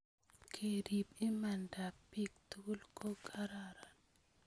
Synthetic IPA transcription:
kʰe˨di˨bi˦ma˨nda˨pːi˦k̚t̪u˦lkʰo˦kʰa˦ɾaɾan

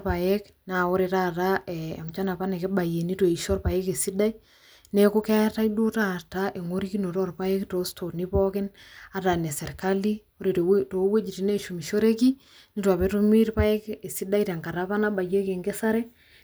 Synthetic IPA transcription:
pa˨je˦k | na˨o˦ɾe˨ta˦taɛa̰˨mt͡ʃa˦na˨pa˦ne˨ke˦ba˨je˨ni˦to˨i˨ʃo˦rpa˨je˦ke˨si˦da˦i˦ | ne˦ko˦kɛ˦ta˦ido˦ta˦taʔe˨ŋo˦ɾi˦ki˦no˨tɔ˦rpa˦je˦kto˦stʰo˨ni˦pɔ˦kɪ˦na˨ta˨ne˨sɛ˨ɾkali˦ | o˦ɾe˨to˨˦we˦d͡ʒi˨ti˦ne˦ʃu˨mi˨ʃo˦ɾe˦ki | ni˦twa˨pɛ˦to˦mi˦ɾpa˦e˦ke˨si˦da˦i˦ta˨ŋka˨ɾa˦pa˦naba˨je˦ke˨ŋɡe˦sa˦ɾɛ˦

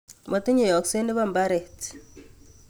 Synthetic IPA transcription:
mɔ˨tɪ˦ɲe˨jɔ˨kse˦nɪ˦ba˦mba˦ɾe˨t

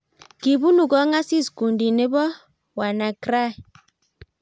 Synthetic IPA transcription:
ki˨bu˦nu˨ɡɔ˦ŋa˦si˦sku˨ndi˨ne˦bɔ˦ | wa˨na˨kɾa˦˨

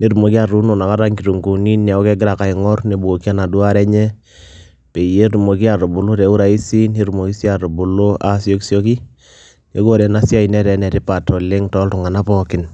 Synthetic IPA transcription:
ne˦ɾu˨mo˨ki˦a˨ɾu˦no˨na˨ka˦ɾa˦ŋki˨tu˨ŋɡu˨ni˦nɛ˨ɔ˦kɛ˦ɡɪ˦ɾa˨ka˨i˨ŋɔ˦rne˨˦bu˨o˨ki˦a˦na˨du˦a˦ɾɛ˦ɲɛ˦ | pe˨i˨je˦ɾu˨mo˨ki˦a˨ɾo˨bu˨lo˦tɛ˨˦u˦ɾa˨i˦si˦ne˦ɾu˨mo˨ki˦sja˨ɾo˨bu˨lo˦a˨sjo˦ksjo˦ki˦ | ne˨ɡo˦ɾɛ˨na˦sja˦i˨nɛ˦ɾɛ˨nɛ˨ti˦pa˨tɔ˨le˦ŋtɔ˦ltʊ˨ŋa˨na˦pɔ˨kɪ˨n

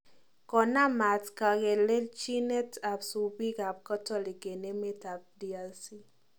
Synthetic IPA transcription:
kɔ˨na˦ma˨tka˨ɣɛ˨le˦lt͡ʃi˦ne˦ta˨psu˨bi˦ka˨p̚kɔ˦tɔ˦li˨ke˨ne˦me˦ta˨p̚di˨a˨lsi˦

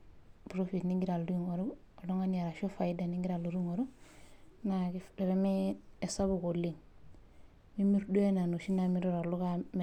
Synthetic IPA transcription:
bɾo˦fi˨tni˦ŋɡi˦ɾa˨ldu˦ŋo˨ɾu˦ | o˨lo˦ŋa˦na˨ɾa˨ʃo˦fa˨i˦da˨ni˦ŋɡiɾa˨lu˨ɾu˦ŋo˨ɾu˦ | na˨kii˨ɾe˨mi˦e˨sa˦bu˨ko˨li˦ŋ | mi˦mi˦ɾdu˦e˦na˨nu˨ʃi˦na˨mi˦ɾo˦ɾa˨lu˦ka˦m˨

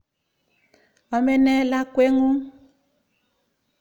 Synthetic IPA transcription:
ɔ˨mɛ˦nɛ˦la˦kwe˦ŋũ˦

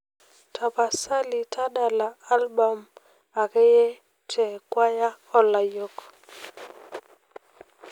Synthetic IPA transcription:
tʰa˨pa˨sa˦li˨tʰa˦ɗa˨la˨a˦lba˨m | a˨kɛ˦jɛ˦ | tʰɛ˨kwa˦ja˦ | ɔ˦la˨jɔ˦˨k

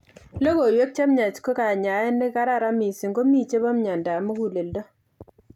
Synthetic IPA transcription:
lo˦ɡo˨jwe˦k̚t͡ʃa˦mɲa˨t͡ʃko˦ka˨ɲa˨jɛ˦nɛ˦ka˦ɾa˦˨ɾa˦mi˨si˨ŋɡo˦mi˦˨t͡ʃe˦ba˦m˦ɲa˨nda˨mo˦ɡu˨le˨ldɔ˦

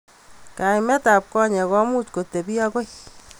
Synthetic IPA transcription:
ka˨imɛ˦ta˨p̚kɔ˦ɲɛ˨kɔ˦mu˦t͡ʃko˨te˨bi˦a˦ko˦j

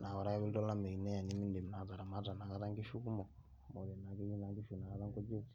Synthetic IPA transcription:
na˨wa˨ɾa˦βi˦ltɔ˦la˦mɛ˨i˨nɛ˦ja˨ni˨˦mi˦n˦de˨m˨na˨za˨ɾa˨ma˦ta˨na˨ka˦ta˦ŋki˦ʃu˦ku˦mɔ˨ | mɔ˨dɛ˨na˨ke˦i˦na˦ŋki˦ʃu˨na˨ka˦ta˦ŋkɔ˦d͡ʒe˦ti̥˨

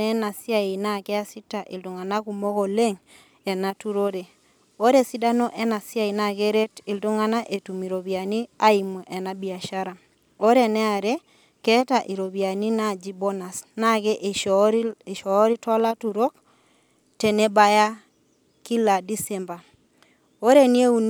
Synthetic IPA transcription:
ɛ˦na˨si˦a˦e˨na˦kɛ˦a˦si˦ta˨ʔḭ˨ltu˨ŋa˨na˦ku˨mo˦ko˨le˦ŋ | ɛ˨na˨tu˦ɾo˦ɾe˨ | o˦ɾe˨si˦da˦nɔ˦ʔɛ˦na˨sja˦˨i˨na˨ke˦ɾe˦ti˨ltu˦ŋa˦na˦ʔe˨tu˨mi˨ɾo˨bi˨a˨ni˦a˦i˨mwɛ˨ʔɛ˨na˦bi˨a˨ʃa˦ɾa˨ | o˦ɾe˨nɛ˦a˨ɾe˦ | kɛ˦ta˨ʔi˨ɾo˨bi˨a˨ni˦na˦d͡ʒi˦bɔ˦na˨sna˦ɡɛ˦ʔɾʃɔ˨˦ɾi˦tɔ˦la˦tu˨ɾo˦k̚ | te˨ne˦ba˦ja˦ | ki˦la˨di˦sɛ˨mba˨ | o˦ɾe˦ni˦e˦u˨n

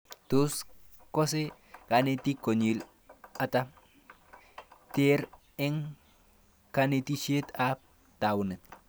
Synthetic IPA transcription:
to˦s | kɔ˦s̬ɪ˦ | ka˨nɪ˦ti˦ko˨ɲi˨l | a˨ta˦ | te˦ɾ | ɪ˦ŋ | ka˦ni˦ti˦t͡ʃe˦ta˦p̚ | ta˨wnɪ˨

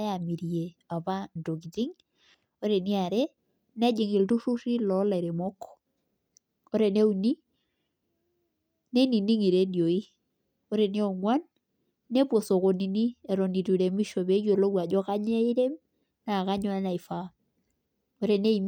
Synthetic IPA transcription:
ja˨mi˨ɾje˨a˨pa˦ndo˨ɡi˨ti˦ŋ | o˦ɾe˨nɪ˦a˨ɾɛ˦ | nɛ˦d͡ʒɪ˨ŋɪ˨ltu˦ʃu˦ri˦lɔ˨˦la˨ɾe˨mɔ˦kɔ̥˨ | o˦ɾe˨ne˦u˨ni˦ | ne˦ni˨ni˦ŋi˨ɾe˦djo˨i˦ | o˦ɾe˨nɪ˦ɔ˨ŋwa˦nː | e˦pwo˨so˨ko˨ni˨ni˦ɛ˨ɾɔ˨ni˨tu˨ɾe˨mi˦ʃo˨be˨˦jo˨lo˦wa˨d͡ʒɔ˦ka˦ɲɛ˦i˦ɾe˦m | na˨ka˦ɲɔ˦a˦na˨i˨fa˦ | o˦ɾe˨ne˦i˨m

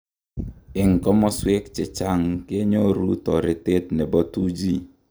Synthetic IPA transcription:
ɪ˨ŋ˨kɔ˦mɔ˦swe˦k̚t͡ʃɛ˨t͡ʃa˦˨ŋke˦ɲo˦ɾu˦tɔ˨ɾɪ˨te˦t̚nɛ˨bɔ˦tu˦d͡ʒi˦

